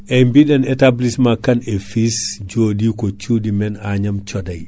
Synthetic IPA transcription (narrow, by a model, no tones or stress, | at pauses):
ʔɛmbiɗanɛtablismakːanefisd͡ʒoːdikot͡ʃudimɛnaɲamt͡ʃɔdaj